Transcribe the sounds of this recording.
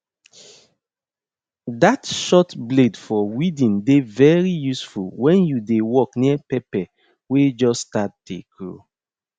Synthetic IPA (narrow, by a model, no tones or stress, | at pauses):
datʃɔtbledfɔwidĩndevɛɹijusfulwɛ̃njudewɔkniəpɛpɛ | wed͡ʒɔstat̚dḛɡɹo̰